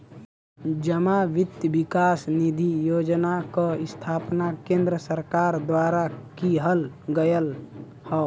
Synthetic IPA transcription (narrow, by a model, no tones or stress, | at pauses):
d͡ʒəmaʋɪt̪jəbikaːsnid̪ʱijoːd͡ʒnakəɪst̪ʰaːpnakẽnd̪ɾəsəɾkaːɾd̪waːɾakiɦəlɡəjəl | hɔ